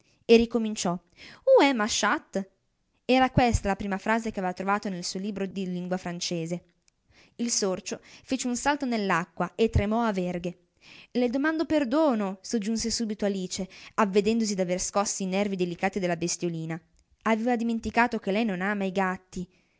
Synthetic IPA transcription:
erikomint͡ʃɔ | uɛmaʃat̪ː | ɛːɾakwest̪alapɾiːmafɾaːzekeaveːvat̪ɾovaːt̪onelsuːoliːbɾod̪iliŋɡwafɾant͡ʃeːze | ilsort͡ʃofet͡ʃeunsalt̪onelːakːwaet̪ːɾemɔaverɡe | led̪omand̪operd̪oːnosod͡ʒːunsesuːbit̪oaliːt͡ʃeavːed̪ɛnd̪osid̪averskɔsːiːnɛrvid̪elikaːt̪id̪elːabest̪joliːna | aveːvad̪iment̪ikaːt̪ok̟elɛjnonaːmaiɡat̪ːi

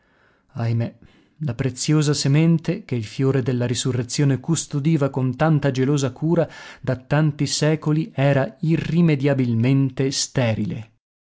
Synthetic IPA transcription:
ajme | lapɾet̪sːjoːzasemɛnt̪ek̟eilfjoːɾed̪elːaɾisurːet̪sːjoːnekust̪od̪iːvakont̪ant̪ad͡ʒeloːzakuːɾad̪at̪ːant̪isɛːkoliɛːɾairːimed̪jabilment̪est̪ɛːɾilḛ

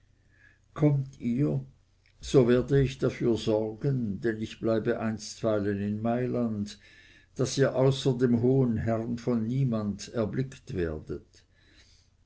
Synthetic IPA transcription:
kʰɔmtʰiːɐ | z̥oːveːɐdəɪçd̥afyːɐzɔʁɡəndɛnɪçb̥laɪbəʔaɪnstv̥aɪlənɪnmaɪland | d̥asiːɐʔaʊsɐdemɦoːənɦɛʁnfɔnːiːmandɛɐblɪktveːɐd̥ət

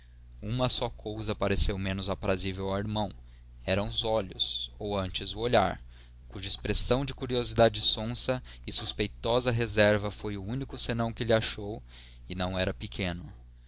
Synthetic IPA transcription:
ũmɐsɔkʰowzɐpaɾesewmẽnʊzapɾazivewaiɾmɐ̃w̃ | ɛɾɐ̃w̃ʊzɔʎʊsowɐ̃nt͡ʃɪzʊoʎa̰ɾ | kuʒɐispɾesɐ̃w̃d͡ʒɪkuɾiozid̪ad͡ʒɪsõsɐɪsuspejt̪ɔzɐɦezɛɾvɐfojʊunikʊsenɐ̃w̃kɪlɪaʃow | ɪnɐ̃w̃ɛɾɐpɪkʰẽnʊ

